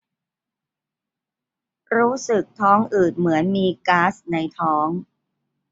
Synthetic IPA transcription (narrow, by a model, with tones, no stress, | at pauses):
ɾuː˦˥sɯ˨˩k̚t̪ʰɔː˦˥ŋʔɯː˨˩t̪̚mɯ˩˦ənmiː˧kaː˦˥sna˧jt̪ʰɔː˦˥ŋ